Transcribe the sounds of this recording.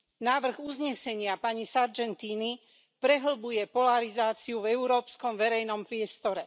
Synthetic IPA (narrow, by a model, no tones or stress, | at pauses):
naːʋr̩ɣuzɲɛsɛɲɪapaɲisaɾd͡ʒɛnt̪iːni | pɾɛɦl̩bujɛpɔlaɾizaːt͡siuvɛuɾɔːpskɔmʋɛɾɛjnɔmpɾɪɛst̪ɔɾɛ